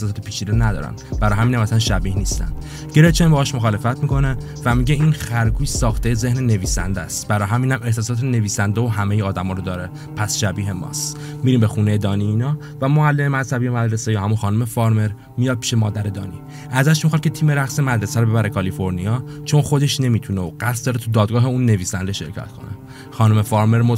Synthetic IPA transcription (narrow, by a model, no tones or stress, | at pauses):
ehsɒsɒːt̪ʰepʰiːt͡ʃʰid̪enæd̪ɒ̰ːɾæ̰nbæɾɒjɦæminhæmæsænʃæbiːhniːst̪æ̰nd̥̪ | ɟe̞ɾeft͡ʃʰenbɒːʃmoxɒːle̞fæt̪ʰmiko̞ne | væmiɟeiːnxæɾɡuːjsɒːxt̪ʰejeze̞hnene̞viːsæ̰nd̪æst̪b̥æɾɒːɦæmiːnhæmeht̪ɒːs̬ɒːt̪ʰene̞viːsænd̪eoɦæmejeɒːd̪æmɒːɾod̪ɒːɾe | pʰæsʃæbiːɦe̞mɒ̰ːst̪ | miɾiːmbexuːnejed̪ɒːniiːnɒː | væmoælːememæzhæbijomæd̪ɾe̞sejɒːɦæmunxɒnume̞fɒɾme̞ɾ | mijɒd̪̚pi̥ʃe̞mɒːd̪æɾe̞d̪ɒ̰ːnḭ | ʔæzæʃmixɑd̪̚cʰet̪ʰiːme̞ɾæxsemæd̪ɾe̞sæɾobe̞bæɾekʰɒlifo̞ɾniɒːt͡ʃʰo̞nxo̞d̪e̞ʃne̞miːt̪ʰuneoɢæst̪d̪ɒːɾet̪ʰud̪ɒːd̪ɡɒːɦe̞unːe̞viːsænd̪e̞ʃe̞̰ɾcʰæ̰t̪kʰo̞̰nḛ | xɒːnume̞fɒːɾme̞ɾmo